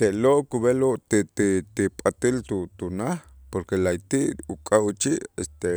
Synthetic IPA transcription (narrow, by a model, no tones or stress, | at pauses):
t̪eʔloʔkuβeloʔt̪it̪it̪ipʼat̪ilt̪ut̪unaχpoɾkelajt̪iʔukʼawt͡ʃiʔest̪e